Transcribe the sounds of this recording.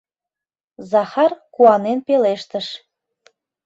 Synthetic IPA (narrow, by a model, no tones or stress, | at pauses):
zɑxɑrkuɑnenpeleʃt̪əʃ